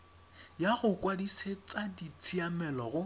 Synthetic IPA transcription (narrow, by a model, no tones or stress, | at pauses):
jaɣʊkʼwadiset͡sʼadit͡sʰiamɛlɔɣʊ